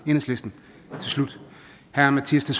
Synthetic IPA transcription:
e̝nəsle̝sd̥n̩ | t͡sʰe̝lslud̥ | hæɐɐmæt͡sʰiɐst͡sʰes

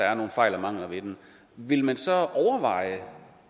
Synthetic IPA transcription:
ɑ̈æɐno̝ːn̩fɑ̈ɪ̰lɐmɑ̈ŋ̰lɐʋe̝d̥en | ʋe̝lmænsɒ̽ʔɒʊɐʋɑ̈ɪ̰ə

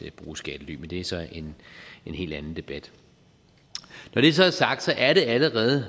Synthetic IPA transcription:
b̥ʁuːsɡ̥ɛd̥əly̰ːmend̥e̝æsɒ̽e̝ne̝nhe̝̰ːld̥æn̩d̥e̝b̥æd̥ | nɒɾ̥e̝æsɒ̽æɐsɑ̈ɡ̥̚d̥sɒ̽ʔæɐɾe̝æləʁɛːð̞̩ˠ

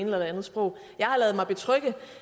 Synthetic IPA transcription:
nelælˠænð̩ˠsb̥ʁɔ̽ʊ̰ | jɑ̈ɪhɑ̈lɛːð̩ˠmɑɪb̥e̝t͡sʰʁœɡ̥ə

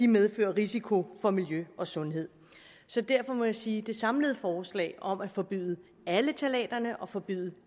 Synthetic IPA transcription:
d̥imeð̞ˠfø̰ːɐʁisikʰo̝fɒ̽miljøɒ̽sɔ̽nɦe̝ð̞̰ˠ | sɒ̽d̥æɐfɒ̽mɒ̽jäsiːd̥e̝sɑ̈mləð̞̩ˠfɒːslɛ̰ɪʔɒ̽mæfɒ̽b̥y̰ðˠə | ælət͡sʰælɛ̰ːd̥ɐnəʔɒ̽fɒ̽b̥y̰ːðˠə

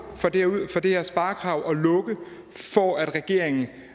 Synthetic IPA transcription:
fɒ̽d̥efɒ̽d̥e̝heɐsb̥ɑ̈ːkʰʁɑ̈ʊ̰ʔɒ̽lɔ̽ɡ̥ə | fɒæd̥ʁɛɡ̥e̝ɐ̰e̝ŋn̩

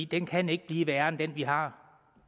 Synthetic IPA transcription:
id̥enkʰæne̝ɡ̥əb̥liːʋæːɐnd̥enʋiɦɑ̈

